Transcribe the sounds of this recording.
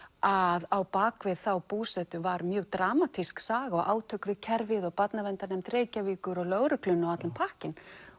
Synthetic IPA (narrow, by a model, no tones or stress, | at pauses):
aðawpaːkvɪðθawpuːsɛt̪ʏvaɾmjœːɣt̪ɾaːmat̪ʰisksaːɣaɔɣʔa̰ːwt̪ʰœːkvɪðcʰɛɾvɪðɔɣpat̪navɛnt̪anɛmt̪ɾeːjcaviːkʏɾɔɣlœːɣɾʏklʏnːawat̪lɪmpʰahcɪn